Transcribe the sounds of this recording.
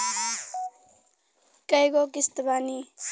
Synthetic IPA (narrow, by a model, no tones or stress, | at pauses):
kɐjkokist̪bani